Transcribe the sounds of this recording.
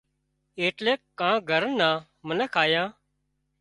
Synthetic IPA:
eːʈleːkːãːɡʱəɾənːãː | mənɛːkʰaːjãː

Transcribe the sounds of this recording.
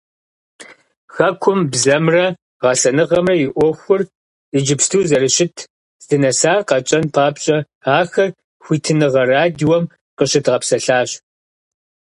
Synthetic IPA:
xɐkʷʰʊmbzɐmrɐ | ʁɐɬɐnɨʁɐmrɐjɪʔʷɔxʷʊr | ɪd͡ʒɪpstʰuːzɐɾɨɕɪtʰ | z̥dɨnɐsaːrqɐt͡ʃʼɐnpʰaːpɕʼɐ | aːxɐr | xʷiːtʰɨnɨʁɐraːdwɔm | qəɕɪtʁɐpsɐɬaːɕ

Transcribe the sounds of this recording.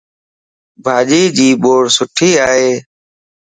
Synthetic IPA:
bʱaːʄiːd͡ʒiːɓoːɽsʊʈʰiːaːɦeː

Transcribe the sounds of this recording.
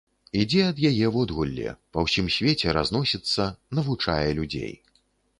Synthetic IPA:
id͡zʲɛɐd̪jajɛwɔd̪ɣulʲːɛ̰pɐwsʲimsʲvʲet͡sʲɛɾa̰znɔsʲit̪sːɐnɐvut͡ʂa̰jɛlʲud͡zʲḛj

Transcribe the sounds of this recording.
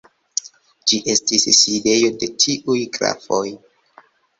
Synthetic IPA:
d͡ʒiʔe̞stisside̞jo̞de̞tʰiʔujkɾa̰fo̞j

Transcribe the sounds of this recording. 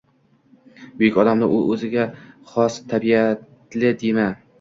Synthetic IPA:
bʊjɪkʲɒd̪amnɪʔʊʔɵzɪɡʲaχɒst̪ʰabiat̪ | lɪd̪ema

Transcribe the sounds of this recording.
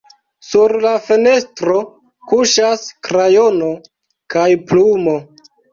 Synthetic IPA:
suɾlafe̞ne̞stɾo̞ | kuʃaskɾajo̞no̞ | kajplumo̞

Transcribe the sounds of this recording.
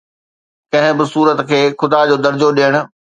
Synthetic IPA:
kɐ̃ɦɪ̃bɪsuːɾət̪kʰeːxʊd̪ad͡ʑoːd̪ɐɾd͡ʑoɗijəɽ̃ʊ̆

